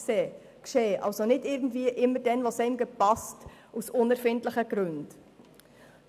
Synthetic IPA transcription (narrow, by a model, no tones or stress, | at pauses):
seː | kʃeːʔɑ̰lsonɪdɪɾɡ̚n̩dviːəʔɪmːəɾd̥ɛnʋosɛɪmɡəpɑstʔusʊnɛɾfɪntləχəɡ̥ɾʉnd̥